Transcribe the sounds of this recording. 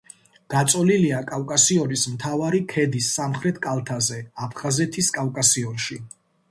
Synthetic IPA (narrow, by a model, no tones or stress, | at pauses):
d̪̥at̪sʼɔliliakʼavkʼasiɔnismt̪ʰavaɾikʰɛd̪isːamχɾɛt̪ʰkʼalˠt̪ʰazɛapʰχazɛt̪ʰiskʼavkʼasiɔnʃi